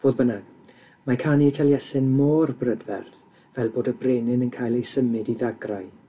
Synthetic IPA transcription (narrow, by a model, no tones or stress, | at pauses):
v̥oːd̚bənaɡ | makʰaːniɛtʰalˠjɛsɪnmoːrbrədvɛ̰rθ | vɛlˠboːdəbreːnɪnənkʰaːjlˠejsəmɨdiðaɡraj